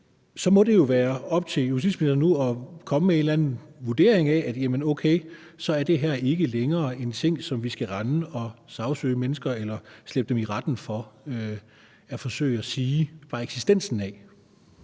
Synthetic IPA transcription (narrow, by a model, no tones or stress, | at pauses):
sɒ̽mɒ̽de̝jo̝ʋæːɐɒ̽b̥̚t͡sʰe̝ljus̬ḭsm̥eneɐnuɒ̽kʰɒ̽məme̝ndlænn̩ʋuɐd̥e̝ɐeŋææd̥jæmənoʊkʰeɪ | sɒ̽æɐd̥e̝ɦæɐ̰e̝ɡ̥əleŋɐːe̝nt͡sʰe̝ŋ̰sɒ̽mʋisɡ̥æʁɑ̈nəɒ̽sɑ̈ʊsø̰ːɪmenəsɡ̥ɐelɐsleb̥̚d̥emiʁɑ̈d̥n̩fɒ̽ø | æfɒ̽sø̰ːɪæsiːʋɑ̈eɡ̥sisd̥en̰sn̩æ